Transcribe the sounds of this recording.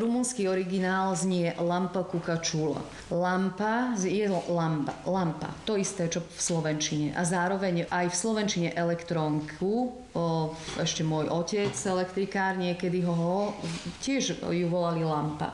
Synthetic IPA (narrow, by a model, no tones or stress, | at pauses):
ɾumunskiɔɾiɡinaːlzɲɪɛlampakukat͡ʃula̰ | lampazjɛlampalampa̰t̪ɔist̪ɛːt͡ʃɔfslɔʋɛnt͡ʃiɲɛʔazaːɾɔʋɛɲajfslɔʋɛnt͡ʃiɲɛʔɛlɛkt̪ɾɔŋkʰu | ɛʃcɛmʊɔjʔɔcɛt͡sɛlɛkt̪ɾikaːɾɲɪɛkɛd̪iɦɔɦɔcɪɛʒjuʋɔlalilampa̰